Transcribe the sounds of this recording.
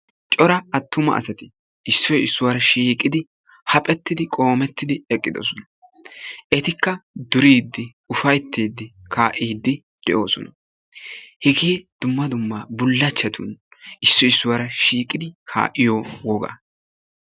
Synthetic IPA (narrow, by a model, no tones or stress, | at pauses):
t͡ʃʼɔɾɐɐt̪ːʊmɐ̰ʔɐ̰sɐt̪ɪ | ɪsːɔjɪsːʊwaɾɐʃiːkʼːɪd̪ɪ | hɐpʼɛt̪ːɪd̪ɪkʼo̞ːmɛt̪ːɪd̪ɪɛkʼːɪd̪o̰sɔnɐ | ʔɛt̪ɪkːɐd̪ʊɾiːd̪ːɪ | ʊfɐjt̪ʰːeːd̪ːɪkʰaːʔiːd̪ːɪ | d̪̥ɛʔo̞ːsɔ̰nɐ | hɛɡeːd̪̥ʊmːɐd̪ʊmːabʊlːɐt͡ʃːɐt̪ʊnɪsːɔɪsːʊwɐɾɐʃiːkʼɪd̪ɪkʰa̰ːʔɪjowɔɡa̰ː